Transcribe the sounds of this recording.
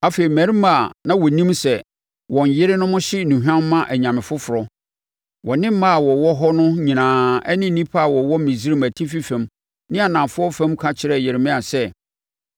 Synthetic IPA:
a˦fe˨i˨mæ˨ɾi˦ma˨nã˦wɔ˨nĩ˦msɛ˨ | wɔ̃˨ɲ˨jɪ˦ɾɪ˦nʊ̃˦mʊ̃˦ɕɪ˦nũ˨ɦᶣã˦mː˦ã˦ʔæ˨ɲã˨mɪ̃˨fʊ˦fʊ˨ɾɔ˦ | wʔɔ˨nɪ̃˦m̩˦ma˦a˨wɔ˨wɔ˦ɦɔ˦nʊ̃˦ɲĩ˨nãː˨ɛ˦nɪ̃˦nĩ˦pʰa˦a˨wɔ˨wɔ˦m˦mĩ˨zi˦ɾi˦mæ˨tʰi˦fi˦fɛ̃˨m | nɪ̃˦a˨nã˨mfʊ˦ɔ˦fɛ̃˦mkʰa˦t͡ɕʰɪ˨˦ɾɛ˨jɪ˨ɾɪ˨mɪ̃˦a˨sɛ˦

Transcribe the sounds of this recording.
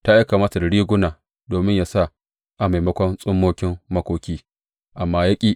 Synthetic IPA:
taː˦ja˦kaː˨maː˦ta˨dɐ˨ɽiː˦ɡʷʊ˦naː˨ | doː˨mɪ˦ɲjaː˦˨sa˦˨ | ʔa˨ma˨jmɐ˦kʷɔ˦nsʼʊ˦mːoː˦kʲɪ˦mːɐ˦kʷoː˦kʲiː˦ | ʔa˨mːaː˦jɐ˦kʲʼiː˦ʔ

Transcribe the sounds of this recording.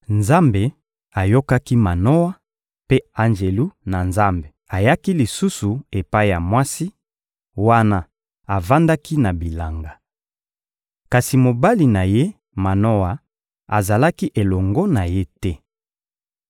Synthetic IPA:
nza˦mbe˨ | a˨jo˦ka˦ki˦ma˨no˦wa˦ | pe˦a˨nd͡ʒe˨lu˦na˨nza˦mbe˨a˨ja˦ki˦li˨su˦su˨e˨pa˦i˦ja˨mwa˦si˦ | wa˦na˦ | a˨va˦nda˦ki˦na˨bi˨la˨ŋɡa˨ | ka˨si˨mo˨ba˦li˨na˨je˦ | ma˨no˦wa˨ | a˨za˨la˦ki˦ʔe˨lɔ˨ŋɡɔ˦na˨je˦tɛ˦

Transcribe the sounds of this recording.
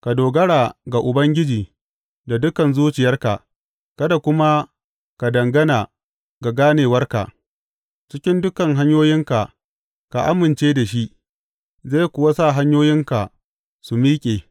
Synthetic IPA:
ka˨doː˨ɡɐ˦ɽaː˨ɡa˨ʔʊ˨bɐ˦ŋɡʲɪ˦d͡ʒiː˨ | da˨dʊ˦kɐ˨nzuː˦t͡ʃɪ˨jɐ˦rka̰˨ | kɐ˦da˨kʷʊ˦ma˦ | ka˨dɐ˨ŋɡɐ˦naː˨ | ɡa˨ɡaː˦neː˨wɐ˦rka̰˨ʔ | t͡ʃɪ˦kʲɪ˦ndʊ˦kɐ˨ŋɦa˦ɲjoː˦jɪ˦ŋka˨ | ka̰˨ʔa̰˦mɪ˨nt͡ʃeː˦da˨ʃ̬i˦ʔ | ze˦˨kʷʊ˨wa˦sa˦˨ɦa˦ɲjoː˦jɪ˦ŋka˨ | su˨miː˦kʲʼeː˨

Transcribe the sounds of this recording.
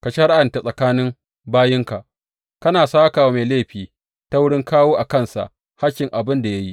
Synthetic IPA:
ka˨ʃa˦ɽa˦ʔɐ˨nta˨sʼɐ˨kaː˦nɪ˦m | baː˦jɪ˦ŋka˨ʔ | kɐ˦naː˨saː˦kaː˨wa˦ma˨leː˦˨ɸiː˨ | ta˦wʊ˦ɽɪ˦ŋkaː˦woː˦ʔa˨kɐ˦˨nsa̰˨ʔ | ha˦kʲːɪ˨ŋʔa˨bɪ˦nda˨ja˦ji˦ʔ

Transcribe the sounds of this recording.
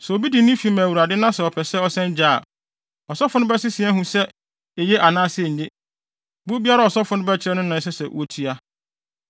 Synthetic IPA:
sɛ˨o˨bi˦di˨nɪ̃˦fi˨mæ̃˨wu˨ɾa˨dɪ˦nã˦sɛ˨ɔ˨pʰɛ˨sɛ˦ɔ˨sɛ̃˦n˦d͡ʑaː˦˨ | ɔ˨sɔ˦fʊ˨nʊ̃˦bɛ˦sɪ˦sɪ˨ɛ˦ɦũ˦sɛ˦ | e˨je˦ʔa˨nãː˦sɪ˦ɛ˦˨ɲ̩˨ɲɪ˦ | bu˦bi˦a˦ɾa˨ɔ˨sɔ˦fʊ˦nʊ̃˦bɛ˦t͡ɕʰɪ˨ɾɛ˦nʊ̃˦nʊ̃˨n˦s̬ɛ˦sɛ˨wo˦tʰi˦a˦

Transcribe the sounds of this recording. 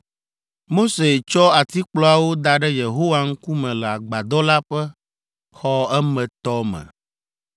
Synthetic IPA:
mo˦se˨t͡ʃɔ˦a˨t̪i˦k͡plɔ˦a˨wo˦d̪a˨ɖɛ˦je˨ɦo˦wa˨ŋ̩˦ku˦mɛ̃˨lɛ˨a˨ɡ͡ba˨d̪ɔ˦la˦ɸɛ˦ | xɔ˦ɛ˦mɛ̃˨t̪ɔ˦mɛ̰̃˨

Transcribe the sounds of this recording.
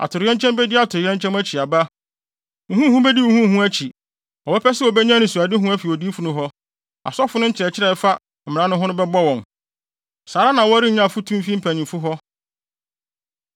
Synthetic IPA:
a̰˨tʰʊ˨ɾɪ˨ɛ̃˦ɲt͡ɕʰɛ̃˦mbɛ˦dɪ˦a˨tʰʊ˨ɾɪ˨ɛ̃˦ɲ˦t͡ɕʰɛ̃˦mæ˦t͡ɕʰi˨a˨ba˦ | ŋ̩˨ɦũ˦hũ˦bɛ˦di˦u˨hũ˦˨hũ˦æ˦t͡ɕʰi˨ | ɔ˨bɛ˦pʰɛ˦sɛ˦ɔ˨bɛ˦ɲã˦nʊ̃˨su˨a˨dɪ˦ɦũ˦æ˦fi˨ɔ˨di˦fʊ˨nʊ̃˦ɦɔ˦ | a̰˨sɔ˦fʊ˦nʊ̃˦ɲ̩˦t͡ɕʰɪ˨ɾɛ˨t͡ɕʰɪ˦ɾɛ˨˦fa˦ | m̩˨mɪ̃˨ã˦nʊ̃˦ɦʊ̃˦nʊ̃˦bɛ˦bɔ˦wɔ̃˨n | saː˨ɾa˦nã˨wɔ˦ɾi˦˨ɲã˦˨fʊ˦tʰũ˦fi˦m̩˦pʰæ̃˨ɲĩ˨mfʊ˦ɦɔ˦

